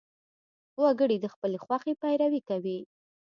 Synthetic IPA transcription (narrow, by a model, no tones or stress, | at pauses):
waɡəɽid̪əxpəlexwaxepajɾawikawi